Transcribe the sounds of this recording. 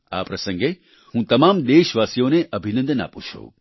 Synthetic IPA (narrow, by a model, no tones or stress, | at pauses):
a̰ːpɾɐsɐ̃ŋɡe | hũːt̪ɐmaːmd̪eːʃʋaːsjõːneʔɐbʱinə̃nd̪na̰ːput͡ʃʰo̰ː